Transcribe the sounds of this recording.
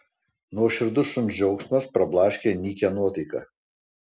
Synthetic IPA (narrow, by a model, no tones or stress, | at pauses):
nuɔʃʲɪɾd̪ʊʃʊnd͡ʒʲɛʊksʲmɐspɾɐblˠɑːʃʲkʲenʲiːkʲɛnuɔt̪ɐɪkɐ̰ː